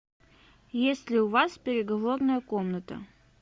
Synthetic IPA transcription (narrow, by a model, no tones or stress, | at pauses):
jesʲtʲlʲɪʊvaspʲɪɾʲɪɡɐvornəjəko̞mnət̪ə̰